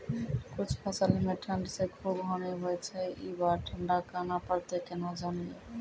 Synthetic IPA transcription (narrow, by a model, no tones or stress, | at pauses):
kut͡ɕʰpʰasalimeʈʰaɳɖisekʰubɦɔniɦojet͡ɕʰeibaɾʈʰaɳɖakanapaɾt̪ekɛnod͡ʑanije